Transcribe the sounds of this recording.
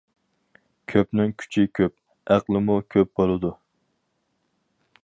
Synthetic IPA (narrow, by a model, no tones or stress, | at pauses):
kʲʰøpnɪŋkʲʰy̥t͡ʃʰɪkʲʰøp̚ | æqlˠɨmukʲʰøp̚bolˠɨd̪u